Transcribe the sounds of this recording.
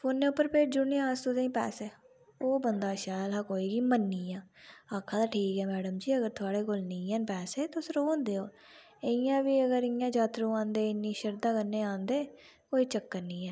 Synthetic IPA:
fʰoːnːeːʊpːəɾpeːʈ̚d͡ʒʊɽnĩːãːst̪ud̪eːĩːpɛ̰ːsɛː | oːbənd̪aːʃɛːlɦaːkoːiːɡiːmənːiːãːaːkʰːãːd̪aːʈʰiːkɛːmɛːɖəmd͡ʒiːəɡəɾt̪ʰʊaːɽeːkoːlnĩːaːnpɛːseːt̪oʊsɾoːnd̪eːoː | eɪjãːʋiːəɡəɾɪjãːd͡ʒaːt̪ɾõːãːnd̪eːɪnːiːʃəɾd̪aːkənːeːãːnd̪eː | koːiːt͡ʃəkːənĩːɛː

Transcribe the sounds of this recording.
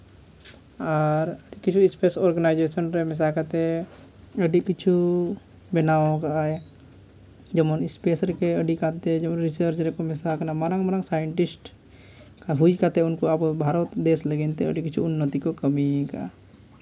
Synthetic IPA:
aɾəɖikit͡ʃʰuispesɔɾɡənajd͡ʒesənɾɛmɛs̬akat̪ɛ | əɖikit͡ʃʰu | bɛnaõkaaɛ | d͡ʒɐmɔnispesɾɛkeəɖikat̪ɛd͡ʒɐmɔnɾisəɾd͡ʒɾɛkomɛsakanamaɾaŋmaɾaŋsajəɳʈisʈ | kaɦud͡ʒkat̪ɛʊnkoapobʱaɾɔt̪d̪esləɡint̪ɛə̰ɖikit͡ʃʰuːnːət̪ikokəmika̰

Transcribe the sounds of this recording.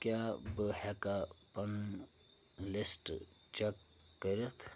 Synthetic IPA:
kjabəhɛkapɐn | lisʈ | t͡ʃekː | əɾet̪ʰ

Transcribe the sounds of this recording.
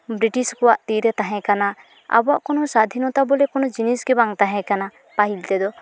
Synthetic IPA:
bɾiʈiskɔwaʔt̪iɾɛt̪aɦɛ̃kana | a̰bɔaʔkɔnɔsad̪ʱinɔt̪abɔlɛkɔnɔd͡ʒinisɡɛbaŋt̪aɦɛ̃kana | paɦilt̪ɛd̪ɔ

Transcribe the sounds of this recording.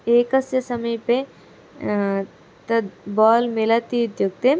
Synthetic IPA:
eːkɐsjɐsɐmɐjpe | t̪ɐd̪bɔːlmɪlɐt̪iud̪juɡ̚t̪e

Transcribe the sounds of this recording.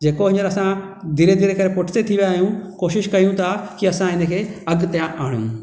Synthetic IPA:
d͡ʑeːkoɦɪ̃ɲəɾɐsã | d̪ʱiɾed̪ʱiɾekɐɾepʊʈʰt̪et̪ʰiʋjaːɦjũkoːʃɪʃkɐjũt̪ʰakiɐsãɪnə̆kʰeːɐɡt̪ɐjãʔaːɽjṵ̃ː

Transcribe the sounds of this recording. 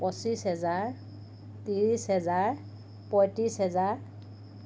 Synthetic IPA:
pɔsisɦɛzaɹ | tiɹisɦɛzaɹ | pɔjtisɦɛzaɹ

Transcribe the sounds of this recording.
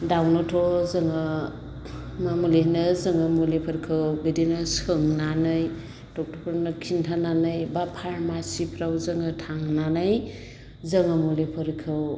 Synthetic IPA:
dawnɔtʰɔzɯŋa | mamuleɦinɯzɯŋɯmulepʰɯɾkʰɯwbidinɯsɯŋnanɯj | tɔk̚tʰɔpʰɯɾnɯkʰintʰananɯjbapʰaɾmasipʰɾawzɯŋɯtʰaŋnanaj | zɯŋɯmulepʰɯɾkʰɯw

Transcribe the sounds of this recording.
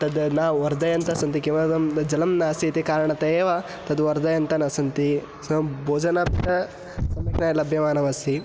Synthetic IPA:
t̪ɐd̪naːʋɐɾd̪ɐjɐnt̪ɐsɐnt̪ikimɐd̪ɐmd͡ʒɐlɐmnaːsit̪ikaːɾɐɳɐt̪ɐeːʋa | t̪ɐd̪ʋɐɾd̪ɐjɐnt̪ɐnɐsɐnt̪i | sɐboːd͡ʒɐnaːpit̪ɐ | sɐmɐknajɐlɐbʱjɐmaːnɐʋɐsi

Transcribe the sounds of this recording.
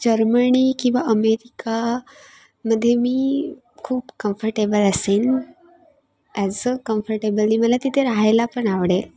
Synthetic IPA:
d͡ʑəɾməɳikĩw̃ʋaʔəmeɾika | məd̪ʱːjemiː | kʰuːpkəmfəɾʈebələsen | ɛd͡zəkəmfəɾʈebəlniməlat̪it̪ʰeɾaɦajlapəɳaʋɽel

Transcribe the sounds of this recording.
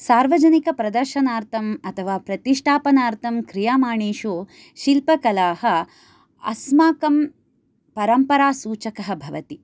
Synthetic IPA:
saːɾʋɐd͡ʒɐnikɐpɾɐd̪ɐɾʃɐnaːɾt̪ʰɐmɐt̪ʰɐʋaːpɾɐt̪iʂʈʰaːpɐnaːɾt̪ʰɐmkɾijaːmaːɳeːʃoː | ʃilpɐkɐlaːhɐ | ɐ̰smaːkɐm | pɐɾɐmpɐɾaːsuːt͡ʃɐkɐɦɐbʱɐʋɐt̪i

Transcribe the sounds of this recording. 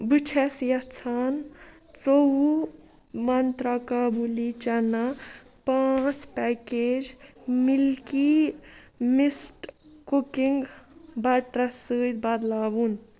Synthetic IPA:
bɨt͡ʃʰɛsjɐt͡sʰan | t͡soɦu | mɐnt̪ɾakabulit͡ʃɐna | pãt͡spɛked͡ʒmilki | misʈkukiŋɡbaʈɾɐsɨd̪bad̪laːbun

